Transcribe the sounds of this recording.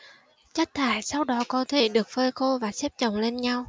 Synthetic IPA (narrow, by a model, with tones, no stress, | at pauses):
t͡ɕa˦˥jk̚t̪ʰaː˧˨˩jsa˧wɗɔ˨˦kɔ˨˦t̪ʰe˨˧˩ɗɨ˨˩ək̚fəː˧jxo˧vaː˨˩sɛ˦˥p̚t͡ɕə̰˧˨wŋ͡mle˧nɲa˧w